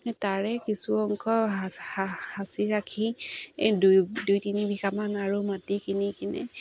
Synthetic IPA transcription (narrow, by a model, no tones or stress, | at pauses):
nɛtaɹɛkisuɔŋkʰɔaahasiɹakʰi | dudujtinibʱikamanaɹumatikinikinɛ̰